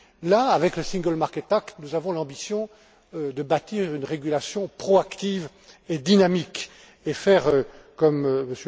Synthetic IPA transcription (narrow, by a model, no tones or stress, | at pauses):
laːvɛkləsĩŋɡəlmaʁkɛt̪akt̪nuzavɔ̃lɑ̃bisjɔ̃ | ød̪əbat̪iʁynʁeɡʲylasjɔ̃pχɔakt̪iːv | ed̪inamik | efɛʁø | kɔmməs